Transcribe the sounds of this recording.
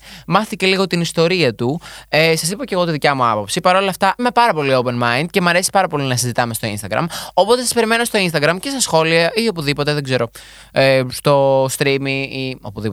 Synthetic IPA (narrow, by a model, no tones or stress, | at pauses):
mɐθθice̞liɣo̞t̪inist̪o̞ɾiɐt̪uesɐs̬ipɐce̞ɣo̞t̪iðicɐmuɐpo̞psipɐɾo̞lɐft̪ɐime̞pɐɾɐpo̞liope̞nmɐind̪̥̚ce̞mɐɾe̞si̥pɐɾɐpo̞linɐsizit̪ɐme̞st̪o̞ḭnst̪ɐɡɾɐ̰mo̞po̞t̪esɐspe̞ɾime̞no̞st̪o̞inst̪ɐɣɾɐmce̞st̪ɐsxo̞liɐio̞puðipo̞t̪e̞ðe̞ɡze̞ɾo̞ | est̪o̞st̪ɾimiio̰puði